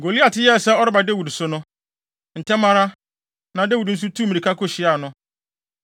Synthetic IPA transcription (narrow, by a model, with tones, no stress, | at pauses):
ɡo˨li˦a˨tʰɪ˦jɛ˦˨sɛ˦ɔ˦ɾɪ˦ba˨de˦wu˨dsʊ˨˦nʊ̃˦ | n̩˨tʰɛ˦mã˦ɾa˦ | nã˨de˦wu˨dn̩˦s̬u˦tʰuː˦mĩ˨i˨kʰa˦kʰʊ˦ɕɪ˦a˨nʊ̃˦